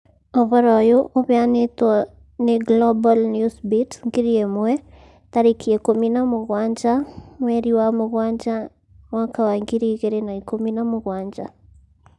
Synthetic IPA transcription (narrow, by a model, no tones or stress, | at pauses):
ɔβɔɾɔjoʔoβeanetɔ | neɡlɔbalnjusbitsŋɡiɾiemwɛ | t̪aɾikʰiekominamoɣwaɲd͡ʒaŋwɛɾiwamoɣwaɲd͡ʒa | wakawaŋɡiɾiɣeɾenaikominamoɣwaɲd͡ʒa